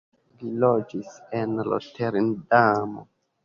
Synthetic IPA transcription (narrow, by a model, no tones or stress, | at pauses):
lilod͡ʒisenlo̰tʰeɾndamo̰